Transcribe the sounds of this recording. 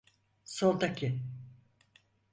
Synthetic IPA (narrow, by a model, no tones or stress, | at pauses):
solˠt̪akʲʰɪ